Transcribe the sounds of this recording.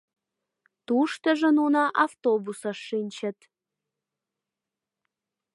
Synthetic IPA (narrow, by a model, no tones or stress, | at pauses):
t̪uʃt̪əʒənunɑʔɑft̪obusɑʃːinʲt͡ɕə̆t̪